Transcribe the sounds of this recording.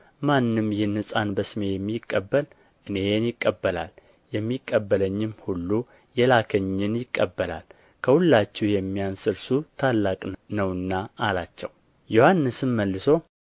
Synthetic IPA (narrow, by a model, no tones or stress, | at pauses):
manːɨmjɪnɨsʼanbəsɨme̞jɛmːikʼːəbːəl | ʔɨne̞njɪkʼːəbːəla̰l | jɛmːikʼːəbːələɲːɪmhulːu | jɛlakʰəɲːɪnjɪkʼːəbːəla̰l | kʰəhulːat͡ʃːɪhjɛmːijansɨɾsut̪ʰalːakʼnəwɨnːaalat͡ʃːɛw | jo̞hanːɨsɨmməlːɨso̞